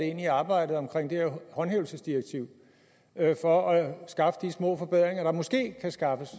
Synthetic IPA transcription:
e̝niɑ̈ːb̥ɑ̈ɪ̰d̥ð̞̩ˠɒ̽mkʰʁeŋ̰d̥eheɐhɒ̽nɦeːʊl̩səsd̥ieɡ̥̚t͡sʰiʊ̰ | fɒ̽æsɡ̥ɑ̈fəd̥ismɔ̰̽ːfɒ̽b̥eð̰ˠʁeŋɐɾ̥ɑ̈mɔ̽sɡ̥e̝̰ːkʰæsɡ̥ɑ̈fəs

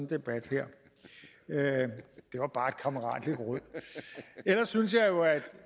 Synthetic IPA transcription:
nd̥e̝b̥æd̥hɛɐ̰ | ød̥e̝ʋɑ̈b̥ɑ̈ːe̝d̥̚kʰɑ̈məʁɑ̰̈ːd̥leɡ̥ʁɔð̰ˠ | elɐsːynsjɑ̈ɪjo̝æd̥

